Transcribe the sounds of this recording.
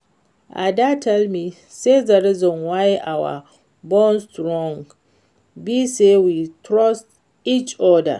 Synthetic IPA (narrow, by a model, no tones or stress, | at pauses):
ʔa̰datʰɛlmi | sezaɹizɔ̃nwajʔawa̰ | bɔ̃nstɹɔ̃ŋ | bisewitʰɾɔst | it͡ʃɔda̰